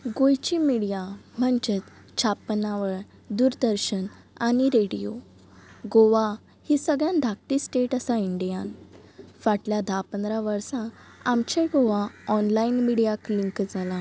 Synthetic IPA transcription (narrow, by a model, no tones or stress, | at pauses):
ɡojt͡ɕimiɽijam̤əɳt͡ɕet̪ | t͡ɕʰapnaʋəɭ | d̪uɾd̪əɾɕən | aɽiɾeɽijo | ɡoʋa | hisəɡɭjãnd̪ʱak̚ʈ̪isʈeʈəsaiɳɖijanfaʈljad̪ʱapənd̪ɾaʋəɾsãamt͡ɕeɡoʋaɔnlainmiɽijakliŋkd͡zʱalã